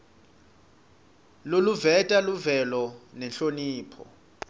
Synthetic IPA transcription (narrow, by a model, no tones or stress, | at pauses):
loluvɛtʼaluvɛlɔnɛnɬoniːpʰɔ̰